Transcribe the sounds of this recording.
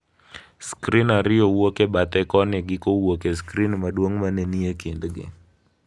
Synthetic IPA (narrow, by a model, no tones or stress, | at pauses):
skɾinaɾɪowokebat̪ɛkɔnɪɡɪkowokeskɾinmaɗwoŋmaneniekɪndɡɪ̰